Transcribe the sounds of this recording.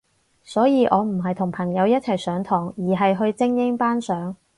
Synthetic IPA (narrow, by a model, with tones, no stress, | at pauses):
sɔː˨˥jiː˨˧ʔɔː˨˧m̩˨˩ɦɐ˨jt̪ʰʊ˨˩ŋpʰɐ˨˩ŋjɐ˨˧wjɐ˥t̚t͡sʰɐ˨˩jsœː˨˥ŋt̪ʰɔː˨˩ŋjiː˨˩ɦɐ˨jɦɵ˧ɥt͡sɪ˥ŋjɪ˥ŋpaː˥nsœː˨˥ŋ